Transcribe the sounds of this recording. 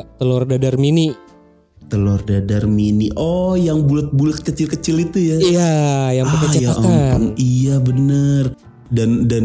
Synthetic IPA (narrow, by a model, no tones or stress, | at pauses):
t̪əlɔrdadarmini | t̪əlɔrdadarminiʔɔjaŋbulət̪̚bulət̪̚kət͡ʃɪlkət͡ʃɪlit̪ujaijajaŋpəkat͡ʃaak̪apanŋijabənər | dandan